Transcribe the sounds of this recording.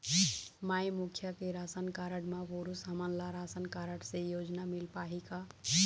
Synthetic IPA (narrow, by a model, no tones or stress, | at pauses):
majmukʰjakeɾasənkaɾəɽmaboɾusɦəmənlaɾasənkaɾəɽsẽjod͡ʒnamilpaɦika